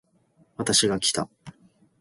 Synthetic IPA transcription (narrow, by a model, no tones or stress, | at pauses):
βat̪aɕiɡakʲi̥t̪a̰